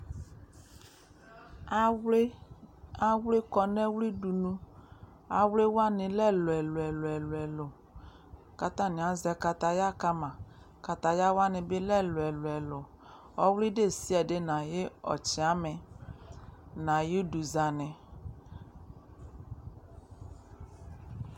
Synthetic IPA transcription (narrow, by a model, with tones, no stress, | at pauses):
a˦wle˦kɔ˨nɛ˦wli˦du˨nũ˦ | a˨wle˦wa˦nɪ˨lɛ˦˨lʊ˨ɛ˨lʊ˨ɛ˨lʊ˨ɛ˨lʊ˨ɛ˨lʊ˨ | ka˨t̪a˦˨nɪ̃˨a˦zɛ˨ka˨ta˨ja˦ka˦mã˨ | ka˨t̪a˨ja˦wa˦nɪ˨bɪ˦lɛ˦lʊ˨ɛ˨lʊ˨ɛ˨lʊ˨ | ɔ˦wli˦de˦˨si˦ɛ˨de˦na˨jɪ˦ɔ̰˨t͡ʃɪ˨a˦mɪ˨ | nã˨ji˦du˨za˨nɪ˨